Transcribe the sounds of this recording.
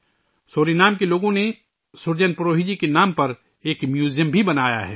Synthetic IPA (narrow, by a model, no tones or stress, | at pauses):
soːɾinaːmkeloːɡõne | sʊɾd͡ʒənpɾoːɦid͡ʒikenaːmpɐɾ | eːkmjuːzjəmbʱibɐnaːja̰ɦɛ̰ː